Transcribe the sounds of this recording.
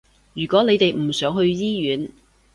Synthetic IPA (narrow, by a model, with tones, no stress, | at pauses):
jyː˨˩kʷɔː˨˥ne˨˧jt̪e˨jm̩˨˩sœː˨˥ŋhɵ˧ɥjiː˥jyː˨˥n